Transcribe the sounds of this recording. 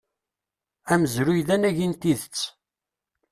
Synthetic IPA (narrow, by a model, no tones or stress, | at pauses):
æməzɾujðænæʝint̪iðət͡sː